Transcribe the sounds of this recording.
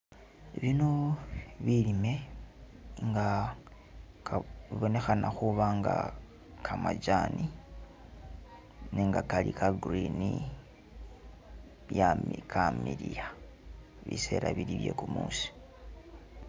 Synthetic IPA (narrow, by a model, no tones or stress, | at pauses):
iβinoβilime̞ | ŋɡa | kaβiβo̞ne̞xanaxuβaŋɡa | kʰamaɟaːni | neŋɡakalikaɡrini | jamikʰamiɾija | βḭse̞ːɾaβiliβje̞̰ːkumuːsi̥